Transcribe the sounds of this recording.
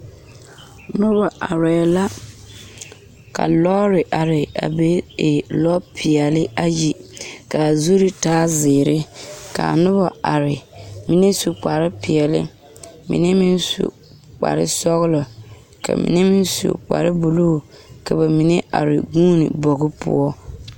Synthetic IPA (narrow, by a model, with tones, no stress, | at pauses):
nʊ˦ba˨ʔa˨ɾɛː˨la˦ | ka̰˨lɔː˦ɾɪ˨ʔa˨ɾɪ˨a̰˨be˦e˨lɔ˦pʰɪ˨ɛ˨lɪ˦a˦ji˨ka˨zu˦ɾi˦taː˦zɪː˨ɾɪ˦ka̰˨nʊ˦ba˨a˨ɾɪ˨mi˨ne˦su˨k͡pa˨ɾɪ˦pɪ˨ɛ˨lɪ̰˦ | mḭ˨ne˦mi˦nsṵ˨ | k͡pa̰˨ɾɪ̰˦sɔ˦ɣɪ˦lɔ˨ | ka̰˨mḭ˨ne˦mi˦n˦sṵ˨k͡pa̰˨ɾɪ˦bu˨lo˦˨ | ka˨ba˨mi˨ne˦ʔa̰˨ɾɪ˨ɡũː˦nḭ˨bɔ˨ɣɪ˦pʰʊ̰˦ɔ˦